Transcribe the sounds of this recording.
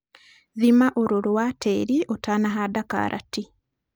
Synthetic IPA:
ðimaʔoɾoɾwatʰeɾiʔotanaɦadaka̰ːɾʔa̰ti

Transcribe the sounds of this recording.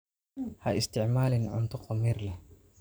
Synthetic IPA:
hɐʔɪst̪ʰɪʕmaːlɪnʕʊ̰nt̪ʰʊqɑmiːrlɛh

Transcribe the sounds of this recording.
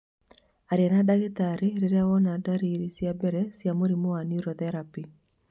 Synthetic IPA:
aɾeanadaɣetaɾeɾeɾeawɔnadaɾiɾisjabɛɾɛsjamoɾimoaniuɾɔðɛɾapi

